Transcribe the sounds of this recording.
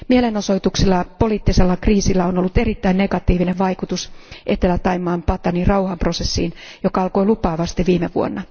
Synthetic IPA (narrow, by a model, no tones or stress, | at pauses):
mieleno̞so̞jt̪uksilːɑpo̞liːt̪ːiselːɑkriːsilːæonolːut̪e̞ɾit̪ːæinne̞ɡɑt̪iːʋineʋʋɑikut̪usʔet̪ːelːæt̪ːɑimːˑɑːmpɑt̪ɑnirɑuhɑmprosesːḭːnjokɑɑlko̞jlupɑːʋɑst̪iʋiːmeʋṵo̰nːɑ